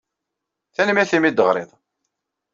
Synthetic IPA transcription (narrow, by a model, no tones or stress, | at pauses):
θænmæθimid̪əʁɾˤḛðˤ